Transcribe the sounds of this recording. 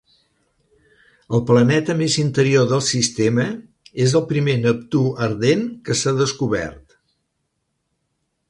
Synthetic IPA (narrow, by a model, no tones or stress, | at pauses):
əlˠplənɛt̪əmezint̪əɾioðəlˠsist̪emə | ezəlˠpɾimenəp̚t̪uəɾðenkəsaðəskuβɛ̰rt̪